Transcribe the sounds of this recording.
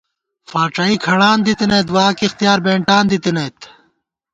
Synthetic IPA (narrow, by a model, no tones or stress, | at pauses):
faːʈ͡ʂɐikʰɐɽaːnd̪it̪inɐjt̪waːkixt̪ijaːɾbeːɳʈaːnd̪it̪inɐt̪